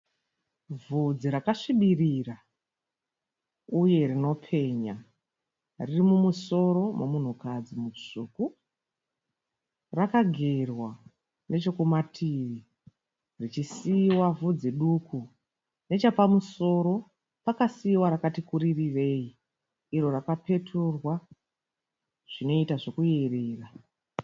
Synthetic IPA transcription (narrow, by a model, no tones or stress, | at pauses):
vʱud͡ziɾakaʂiɓirira | uje̞rino̞pʰe̞ːɲa | ririmumuso̞ɾo̞momun̤ukad͡zimuʐuːku | rakaɡʱerwa | nʔe̞t͡ʃo̞kumatʰiʋi | rit͡ʃisiwavud͡ziɗukʰu | ne̞t͡ʃapamuso̞ɾo̞ | pakasiwaɾakatikuɾiriʋe̞iː | ɾo̞rakape̞tʰurwa | ʐ̥ino̞itaʐo̞kuje̞reːra